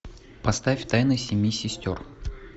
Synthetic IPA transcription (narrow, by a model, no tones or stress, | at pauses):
pɐst̪afʲt̪ajnəjsʲɪmʲjisʲɪsʲtʲor